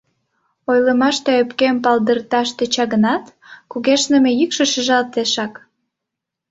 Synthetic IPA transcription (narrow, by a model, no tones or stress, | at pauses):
ojləmɑʃt̪eøpkempɑld̪ərt̪ɑʃt̪e̽t͡ɕɑɣənɑt̪kuɣeʃnə̆mejykʃəʃəʒɑlt̪eʃɑk